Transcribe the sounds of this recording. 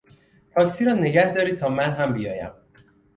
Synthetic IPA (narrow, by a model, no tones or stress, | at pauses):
t̪ʰɒːcʰsiːɾɒːne̞ɡæhd̪ɒːɾiːt̪ʰɒːmænɦæmbijɒːjæ̰m